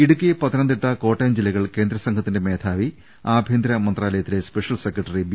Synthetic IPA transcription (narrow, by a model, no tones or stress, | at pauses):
iɽukːijɐpɐt̪ɐnɐnd̪iʈːɐko̞ːʈːɐːmd͡ʑilːɐɣɐɭke̞ːnd̪ɾɐsɐŋkʰɐt̪ːinde̞me̞ːd̪ʰaːʋi | aːbʱeːnd̪ɾɐmɐnd̪raːlɐjɐt̪ːile̞speʂɐlse̞kːrɐʈːɐrib